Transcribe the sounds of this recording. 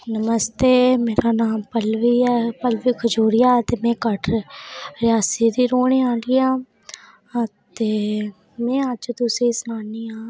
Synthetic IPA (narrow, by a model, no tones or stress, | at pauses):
nəməst̪eːmeːɾaːnaːmpəlʋiːɛpəlʋiːkʰəd͡ʒuːɾiːaːt̪eːmɛ̃ːkəʈʰ | ɾɪjaːsiːd̪iːɾoːɳeːãːliːãː | t̪eː | mɛ̃ːəd͡ʒd̪useːsnaːniːãː